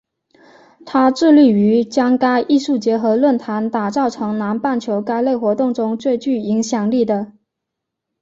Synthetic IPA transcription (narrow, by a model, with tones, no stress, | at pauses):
t̪ʰa˥ʈ͡ʂɻ̩˥˧ly˥˩y˧˥t͡ɕjɑ˥ŋka˥ɪʔi˥˧ʂu˥˩t͡ɕjɛ˧˥xɤ˧˥lwə˥˩nt̪ʰa˧˥nt̪a˨˩t͡sɑ˥˩ʊʈ͡ʂʰɤ˧˥ŋna˧˥npa˥˩nt͡ɕʰjo˧˥ʊka˥ɪle˥˩ɪxwɔ˧˥t̪ʊ˥˩ŋʈ͡ʂʊ˥ŋt͡swe˥˧ɪt͡ɕy˥˩i˧˥ŋɕjɑ˨˩ŋli˥˩d̪ə˩